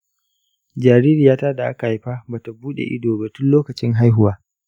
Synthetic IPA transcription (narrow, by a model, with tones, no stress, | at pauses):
d͡ʒaː˨ɾiː˦ɾiː˨jaː˦taː˦da˨ʔa˦ka˨ha˨˦jɸa˦ba˨ta˨buː˦ɗḛ˨ʔɪ̰˦doː˨ba˨tʊ˦nloː˦kɐ˨t͡ʃɪ˦ŋɦa˦jɦʊ˦waː˦